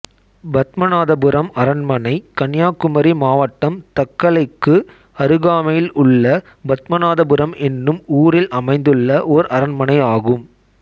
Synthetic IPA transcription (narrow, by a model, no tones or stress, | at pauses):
bɐt̪mɐnaːðɐbɯɾɐmɐɾɐnmɐnɐɪkɐɳjaːkɯmɐɾimaːʋɐʈːɐmt̪ɐkːɐɭɐɪkːɯ | ɐɾɯɣaːmɐjɪlʊɭːɐ | bɐt̪mɐnaːðɐbɯɾɐmɛnːɯmuːɾɪlʔɐmɐɪnd̪ɯɭːɐʔɔɾʔɐɾɐnmɐnɐɪaːɣɯm